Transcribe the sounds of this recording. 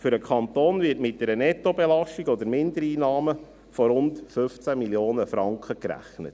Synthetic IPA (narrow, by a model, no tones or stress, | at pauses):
fʏɾəkʰɑnt̪oːnvɪtmɪt̚dɛɾənɛtobɛlɑʃtiɡɔd̪əɾmɪnd̪əɾiːnɑːmə | fɔɾʊntfʏft͡sæmiljoːnəfɾɑŋkχəkɾæ̰χnə̰t